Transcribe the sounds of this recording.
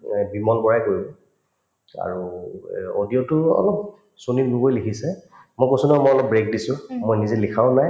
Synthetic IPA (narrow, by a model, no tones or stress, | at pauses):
bimɔnbɔɹajkoɹibɛ | a̰ɹu | o̰diɔtʊɔ̰lɔp̚ | sonitɡʱubojlikʰisɛ | mojkojsunɛmɔjɔlɔp̚bɹek̚disʊ̃mojnizelikʰaʊnaj